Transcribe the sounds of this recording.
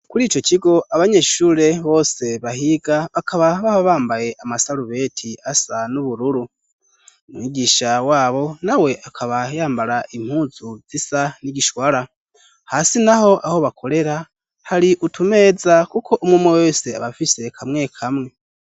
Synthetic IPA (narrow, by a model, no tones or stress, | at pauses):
kuɾiːt͡ʃo̞ciɡo̞ʔaβaɲe̞ːʃuːɾe̞βo̞ːse̞βahiɡaβakʰaβaβahoβaːmbaje̞ʔamasaɾuβe̞tʰiasanuβuɾuɾu | mŋiːɡiːʃawaːβo̞nawe̞ʔakʰaβajaːmbaɾaʔim̥huːzuz̥isaniɟiʃwaɾa | hasinaho̞ʔaho̞βakʰo̞ɾe̞ɾa | haɾiʔutʰume̞ːzakukʰo̞ʔumŋumowese̞a̰βafise̞kʰamŋe̞kʰamŋe̞